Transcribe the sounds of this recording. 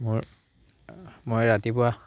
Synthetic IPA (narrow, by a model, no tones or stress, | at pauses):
moɹ | mojɹatipʊwa